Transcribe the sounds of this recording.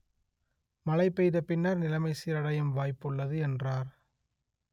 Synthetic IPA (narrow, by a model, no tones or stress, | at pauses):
mɐlɐɪpːɛjðɐpːɪnːaɾnɪlɐmɐɪsɪɾɐɽɐjɯmʋaːjpːɯɭːɐðɯɛndraːɾ